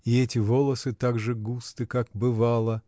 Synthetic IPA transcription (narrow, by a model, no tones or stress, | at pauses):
ɪɛtʲɪvo̞lˠəsɨt̪aɡʐɨɡust̪ɨkakbɨvalˠə